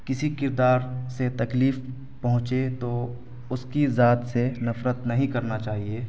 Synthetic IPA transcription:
kɪsikɪɾd̪aːɾset̪ɐkliːf | pɐɦʊ̃t͡ʃet̪o | ʊskizaːt̪senɐfɾət̪nɐɦĩkɐɾnat͡ʃaːɦieː

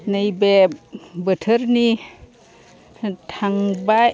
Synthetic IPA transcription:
nəjbebətʰəɾni | tʰaŋba

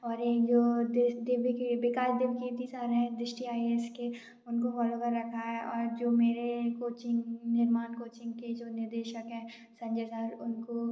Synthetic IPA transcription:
ɔːɾeːkd͡ʒoːd̪ɪd̪ɪʋkebɪkaːʃd̪ɪʋket̪isaːɾɦɛ̃d̪ɾɪʃʈiaːieske | ʊnkofɔːlokəɾːɐkʰaɦɛʔɔːɾd͡ʒoːmeːɾekoːt͡ʃɪ̃ŋɡnɪɾmaːnkoːt͡ʃɪ̃ŋɡked͡ʒoːnɪɾd̪eːʃəkɦɛ̃ː | sɐ̃ɲd͡ʒesaːɾʊnko

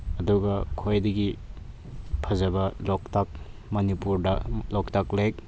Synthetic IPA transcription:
ɐduɡɐkʰojdɐɡi | pʰɐzɐbɐlɔktak̚mɐnipuɾdɐlɔktaklek̚

